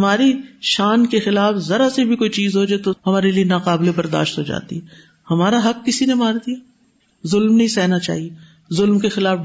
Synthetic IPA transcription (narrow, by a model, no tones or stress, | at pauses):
ɐmaːɾiʃaːnkexɪlaːfzɐɾasebʱikoːit͡ʃiːzɦod͡ʒaet̪ohɐmaːɾelienaːqaːblebɐɾd̪a̰ːʃt̪ɦod͡ʒa̰ːt̪ḭɦɛ | hɐmaːɾaɦɐkːɪsinemaːɾd̪ijaː | zʊlmnɐɦĩsɛːnat͡ʃa̰ːɦie | zʊlmkexɪlaːf